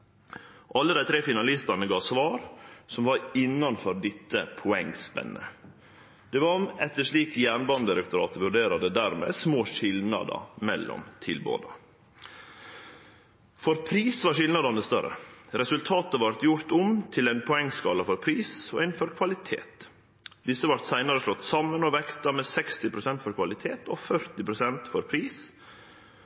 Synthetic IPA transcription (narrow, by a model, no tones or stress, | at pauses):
ʔɑlːəd̪æɪt̪ʰɾeːfɪnɑlɪst̪ɑnəɡɑːʋsʋɑːɾsɔmʋɑɾɪnːɑnfɔɾd̪ɪt̪ːəpʰʊɛŋːspɛ̰nːə | d̪̥ɛʋɑɾɛt̪ːəʂɭiːkjæːɳbɑnd̪əɾɛkt̪ʊɾɑ̰ːt̪əʋʉɖeːɾɑd̪əd̪æːɾmḛːsmoːʂɪlnɑ̰d̪ə̰mɛlːɔ̰mt̪ʰɪlbo̰ːd̪ɑ | fɔɾpʰɾiːsʋɑɾʂɪlnɑd̪ɑnəst̪œɾːə̰ɾɛsʉlt̪ʰɑːt̪əʋɑɾt̪jʊɾt̪ɔmt̪ʰɪlæɪnpʰɔɛŋːskɑːlɑfɔɾpʰɾiːsɔɪnfɔɾkʰʋɑlɪt̪ʰḛːt̪ | d̪ɪsːəʋɑɾt̪sæɪnɑɾəʂɭɔt̪ːsɑmːənɔʋɛkt̪ɑmɛːsɛkst̪ɪpʰɾʊsɛnt̪fɔɾkʰʋɑlɪt̪ʰeːt̪ɔfœɾt̪ɪpɾʊsɛnt̪fɔɾpʰɾiːs